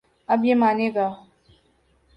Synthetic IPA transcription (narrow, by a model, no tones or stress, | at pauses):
ɐbjemaːneːɡaː